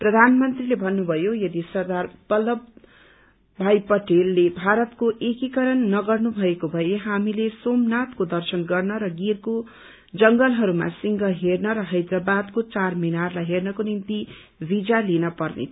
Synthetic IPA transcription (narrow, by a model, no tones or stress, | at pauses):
prʌd̪ʱanmʌnt̪rilebʱʌnːubʱʌjojʌd̪isʌrd̪arpʌlʌbː | ajpʌʈelːebʱaɾʌt̪koʔekikʌɾʌnːʌɡʌrnubʱʌekobʱʌjeɦamilesomnat̪kod̪ʌrsʌnɡʌrnʌɾʌɡirko | d͡zʌŋɡʌlɦʌɾuma̰siŋɡʌɦernʌɾʌɦʌjd̪rʌbad̪kot͡sarminarlajɦernʌkonint̪i | bid͡zalinʌpʌrnḛ